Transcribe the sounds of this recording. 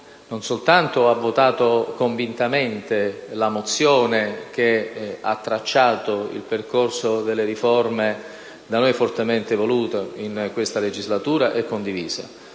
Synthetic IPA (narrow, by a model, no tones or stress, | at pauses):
nonsolt̪ant̪oavːot̪aːt̪okoɱvint̪ament̪elamot̪sːjoːnek̟ea̰t̪ːɾat͡ʃːaːt̪oḭlperkorsod̪elːeɾiforme | d̪anojfort̪ement̪evoluːt̪einkwest̪aled͡ʒizlat̪uːɾaʔɛkːond̪iviːza̰